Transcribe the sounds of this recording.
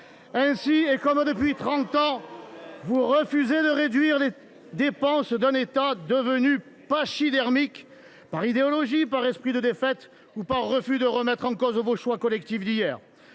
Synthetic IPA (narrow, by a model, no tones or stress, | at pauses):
ɛ̃siekɔmd̪əpɥit̪χɑ̃t̪ɑ̃ | vuʁəfyzed̪əʁed̪ɥiʁle | d̪epɑ̃sd̪ɛ̃net̪ad̪əvəny | paʃid̪ɛʁmik | paʁid̪eɔlɔʒipaʁɛspχid̪əd̪efɛt̪ | upaʁːəfyd̪əʁəmɛt̪χɑ̃kɔzvoʃwakɔlɛk̚t̪ifd̪ijɛːʁ